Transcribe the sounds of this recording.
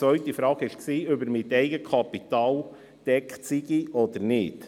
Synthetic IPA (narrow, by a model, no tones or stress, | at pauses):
ʋœʏtifɾɑːɡɪʃksiːøbəɾmɪtɛɪɡəkʰɑpit̪ɑːl | d̥ɛktsiɡiʔɔd̥̪əɾnɪd